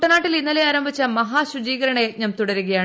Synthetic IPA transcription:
ʈːɐnaːʈːilinːɐleaːɾɐmbʱit͡ɕːɐmɐɦaːɕud͡ʑiːɣɐɾɐɳɐjeːt̚ɲɐmt̪uɽɐɾuɣɐjaːɳ

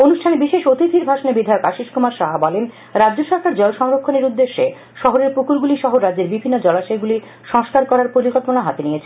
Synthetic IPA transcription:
onuʃʈʰanebiʃeʃot̪it̪iɾbʱaʃonebid̪ʱaeokaʃiʃkumaɾʃaɦabɔlen | ɾadːd͡ʑoʃɔɾkaɾd͡ʑɔlʃɔŋɾokʰːoneɾud̪ːeʃːe | ʃɔɦoɾeɾpukuɾɡuliʃɔɦoɾadːd͡ʑeɾbibʱinːod͡ʑɔlat͡ɕɔjɡuli | ʃɔŋskaɾkɔɾaɾpoɾikɔlponaɦat̪eniet͡ɕʰen

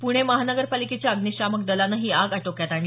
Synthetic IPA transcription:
puɽ̃eməɦanəɡəɾpaliket͡ɕjaəɡniɕamək̚d̪əlanaɦiːaɡaʈokjat̪aɽi

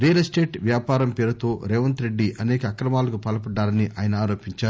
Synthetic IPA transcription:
ɾeːɐlɐsʈe̞ːʈʋjaːpaːɾɐmpeːɾɐt̪o̞ːɾɛːʋɐnt̪ɾe̞ɖːiʔɐnɛːkɐːkɾɐmaːlɐkupɐːlɐpɐɖːaːlɐniʔa̰ːjɐnɐaːɾo̞ːpiɲt͡ʃaːɾu

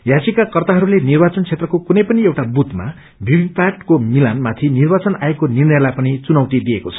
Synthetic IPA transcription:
jasikakʌrt̪aɦʌɾulenirbat͡sʌnt͡sʰet̪rʌkokunʌjpʌniewʈabut̪ma̰ | bʱibʱipaʈkomilanmat̪ʰinirbat͡sʌna̰ekonirnjʌjlajpʌnit͡sunʌwt̪id̪iekot͡sʰʌ̥

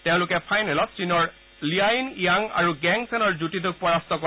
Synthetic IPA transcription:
teʊ̃lʊkɛpʰajnɛlɔt̚t͡ʃinɔɹ | liainijaŋa̰ɹuɡɛŋsɛnɔɹzutitʊk̚pɔɹastɔkɔ

